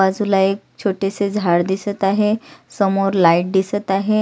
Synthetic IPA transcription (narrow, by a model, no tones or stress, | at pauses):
ad͡zulaek̚ | t͡ɕʰoʈesed͡zʱaɽd̪isət̪aɦesəmoɾlaiʈ̚d̪isət̪aɦe